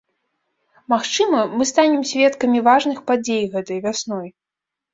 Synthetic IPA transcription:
maxt͡ʂɨmɐmɨst̪anʲɛmsʲvʲɛt̪kɐmʲivaʐnɨxpad͡zʲejɣɛt̪ɐjvʲasnɔj

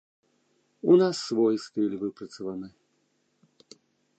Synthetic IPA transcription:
unasːvɔjst̪ɨlʲvɨpɾɐt̪sɐvanɨ

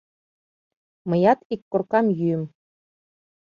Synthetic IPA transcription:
mɤ̆jɑt̪ikːorkɑmjyɘm

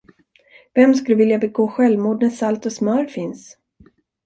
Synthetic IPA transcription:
vɛmskɵləvɪljabɛɡoːɧɛlvmuːd̪̚næsalt̪ɔsmœːɾfɪns

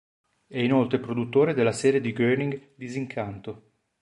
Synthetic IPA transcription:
ɛinolt̪ɾepɾod̪ut̪ːoːɾed̪elːasɛːɾjed̪iɡøniŋɡd̪iziŋkʰant̪o

